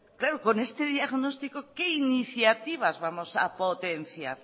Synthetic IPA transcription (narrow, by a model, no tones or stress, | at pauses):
klaɾokonest̪eðjaɣnost̪ikokeiniθjat̪iβ̞azβamosa̰pot̪en̟θja̰ɾ